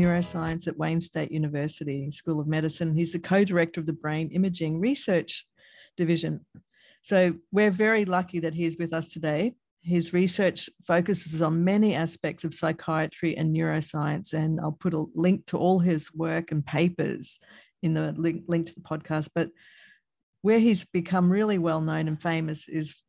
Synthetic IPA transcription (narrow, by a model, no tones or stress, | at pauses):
ʊɹoʊsaɪɨ̃nsɨʔ̚wẽɪ̃nsteɪʔjʉnɨvɜ˞sɨɾiskulˠʌvmɛɾɨsɨ̃nizðɨkʰoʊdə˞ɛk̚tə˞ʌvðɨbɹẽɪ̃nɪ̃mɨd͡ʒɪ̃ŋɹisɜ˞t͡ʃ | d̥ɨvɪʒɨ̃n | soʊwɪɹvɛɹilʌkiðɨt̚ɦiɨzwɨðʌstʰɨdeɪ | ɪzɹisɜ˞t͡ʃfoʊkɨsɨɨzn̩mɛniæspɛk̚tsʌv̥saɪkʰaɪɨt͡ʃɹ̥iʔɨ̰̃njɔɹoʊsaɪɨ̃nsɨ̃na̰ɪlˠpʰʊɾəlɪ̃ŋk̚tʰəʔɔlˠɪzwɜ˞kɨ̃n̩pʰeɪpə̰˞z̥ | ɨ̃nðɨlɪlɪ̃ŋk̚tʰəðəpʰɑd̚kʰæst̚b̥ʌt̚ | wə˞izbɨkʰʌ̃mɹɪlˠiwɛlˠnõʊ̃nɨ̃nfẽɪ̃mɨsɪz̥